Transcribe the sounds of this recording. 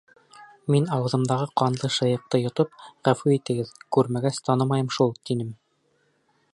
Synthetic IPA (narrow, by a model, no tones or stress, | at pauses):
minɑwɤ̆ðɤ̆md̪ɑʁɤqɑnlˠɤʃɤ̆jɤ̆q̚t̪ɤjŏt̪ɤpʁæfʉit̪ɘ̆ɡɘðkʉɾmæɡæst̪ʰɑnɤmɑjɤmʃulˠt̪inɘm